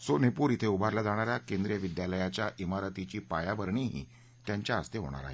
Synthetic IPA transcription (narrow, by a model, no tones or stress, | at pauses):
sonepuːɾit̪ʰeubʱaɾlad͡z̪aɽ̃aɾjakẽnd̪ɾijəʋid̪jaləjat͡ɕjaʔimaɾət̪it͡ɕiːpajabəɾɳiɦḭː | t̪jaɲt͡ɕjaəst̪eɦo̰ɽ̃a̰ɾa̰ɦe